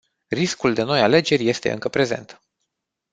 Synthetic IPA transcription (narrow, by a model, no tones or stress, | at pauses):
riskuld̪e̞no̞jale̞d͡ʒe̞rʲje̞st̪e̞ɨ̰ŋkəpɾe̞ze̞̰nt̪